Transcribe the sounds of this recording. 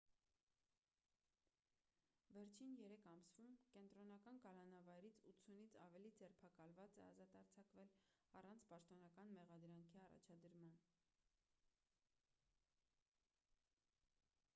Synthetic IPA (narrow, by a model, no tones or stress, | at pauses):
vɛɾt͡ʃʰinjɛɾɛkʰɑmsvumkɛnt̪ɾɔnɑkɑnkɑlɑnɑvɑjɾit͡sʰut̪sʰunit͡sʰɑvɛlid͡zɛɾpʰɑkɑlvɑt͡sɛɑ̰zɑt̪ɑɾt͡sʰɑkvɛlɑrɑnt͡sʰpɑʃt̪ɔnɑkɑnmɛʁɑd̪ɾɑŋkʰiɑrɑ̰t͡ʃʰɑd̪əɾmɑn